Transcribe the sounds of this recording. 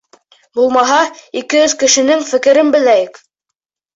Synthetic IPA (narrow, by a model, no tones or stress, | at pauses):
bulˠmɑɦɑikɘ̆jɵðkɘ̆ʃɘ̆nɘŋfɘ̆kɘ̆ɾɘnbɘ̆læjɘk